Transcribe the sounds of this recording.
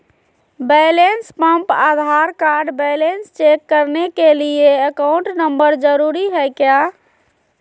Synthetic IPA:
bejlenspə̃mpad̪ʱaɾkaɾɖbejlenst͡ʃekːəɾnekelieəkaʊɳʈnəmbəɾd͡ʒəɾuɾiɦəjkja

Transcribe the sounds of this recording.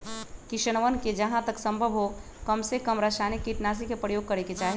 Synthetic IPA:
kiʃəñəʋənked͡ʒəɦãt̪əksə̃mbʱəbʱɦo | kəmsekəmɾəʃanikːiʈnas̬ikepɾəjoːɡ̚kəɾeket͡ʃaːɦi

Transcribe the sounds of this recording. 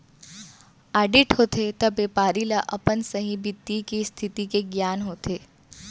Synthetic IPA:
aːɖɪʈɦoːt̪ʰet̪ɐbeːpaːɾilaʔɐpənsəɦĩbit̪ːikist̪ʰɪt̪ikeɡjaːnɦoːt̪eː

